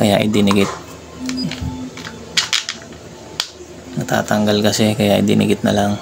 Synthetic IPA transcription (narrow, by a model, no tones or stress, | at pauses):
kɐjaʔɪ̰d̪ɪnɪɡɪt̪̚ | nɐt̪a̰ːt̪ɐŋɡalkɐsɛkɐjaʔɪ̰d̪ɪ̰nʔɪ̰ɡɪt̪̚nɐ̰laŋ